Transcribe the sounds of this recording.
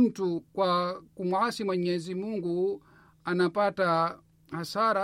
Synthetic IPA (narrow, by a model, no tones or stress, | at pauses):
tukwakumwasimwɛɲɛzimuŋɡu | anapata | hasaɾa